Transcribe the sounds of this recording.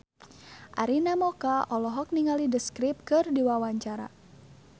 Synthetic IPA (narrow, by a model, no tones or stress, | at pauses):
ʔaɾinamɔkaʔɔlɔɦɔk̚niŋalidəskɾip̚kɨrdiwawaɲt͡ʃaɾa̰